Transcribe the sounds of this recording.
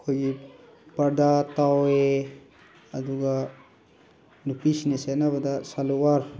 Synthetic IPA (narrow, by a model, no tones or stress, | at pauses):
kʰoɡi | pɐɾd̪at̪awe | ɐd̪uɡa | nupisnesenabɐd̪asaluwaɾ